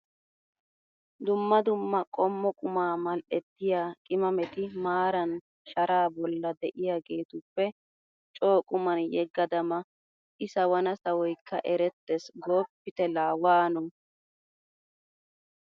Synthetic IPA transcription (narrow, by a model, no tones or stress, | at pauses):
d̪ʊmːɐd̪ʊmːɐkʼɔmːɔkʼʊmaːmɐlʔɛt̪ːɪjaːkʼɪmɐmɛt̪ɪmaːɾɐn | ʃɐɾaːbɔlːɐd̪ɛʔɪjaːɡe̞ːt̪ʊpːɛ | t͡ʃʼoːkʼʊmɐnjɛɡːɐd̪ɐmɐ | ʔɪsɐwɐnɐsɐwɔjkːɐ̰ʔɛɾɛt̪ːɛsɡoːpːɪt̪ɛlaːwaːnɔ